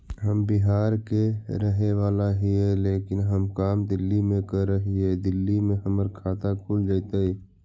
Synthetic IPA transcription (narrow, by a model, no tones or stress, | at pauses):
ɦəmbɪɦaːɾkeɾəɦewaːlaɦiɦɛleːkɪnɦəmkaːmd̪ɪlːimẽkəɾːəɦiɦɛːd̪ɪlːimẽɦəməɾkʰaːt̪akʰuːld͡ʒaːt̪aɦiː